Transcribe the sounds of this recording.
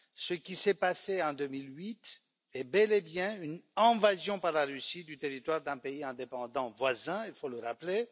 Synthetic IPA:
səkʲisɛpaseɑ̃d̪ømilɥit̪ | ɛbɛlebjɛ̃ynɛ̃vazjɔ̃paʁlaʁysid̪yt̪eʁit̪waʁd̪ɛ̃peiɛ̃d̪epɑ̃d̪ɑ̃vwazɛ̃ilfoləʁaple

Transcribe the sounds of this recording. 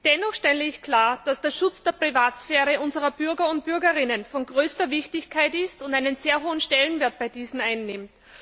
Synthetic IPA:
d̥ɛnɔχʃtɛləɪçkʰl̥aːɐd̥asd̥eːɐʃʊt͡sd̥eːɐpʁ̥ivaːtsfɛːʁəʊnzəʁɐb̥ʏɐɡɐʊnt̚b̥ʏɐɡəʁɪnənfɔnɡʁøːstɐvɪçtɪçkʰaɪtɪstʊndaɪnənzeːɐɦoːənʃtɛlənveːɐt̚b̥aɪdiːzn̩aɪnːɪmt

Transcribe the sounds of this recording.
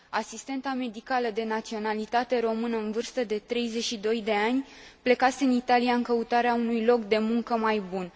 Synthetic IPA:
asist̪e̞nt̪same̞d̪ikaləd̪e̞nat̪sio̞nalit̪at̪e̞ɾo̞mɨnəɨnvɨrst̪əd̪e̞t̪ɾe̞jze̞t͡ʃʃid̪o̞jd̪e̞anʲple̞kase̞ɨnit̪alijaɨŋkəut̪aɾeaunujlo̞kd̪e̞muŋkəmajbun

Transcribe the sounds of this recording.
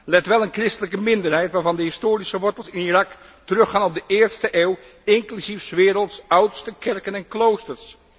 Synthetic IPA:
lɛtʋɛlˠənkrɪstələkəmɪndəɹɦɛjtʋaːɹvɑndəɦɪstoːɾisəʋɔɹtəlˠsɪnirɑk | tərɵχaːnɔb̚dəʔɪːɹstəʔeːw | ɪŋklysifsʋɪːɾəlˠtsʌwtstəkɛɹkənɛnklowstəɹs

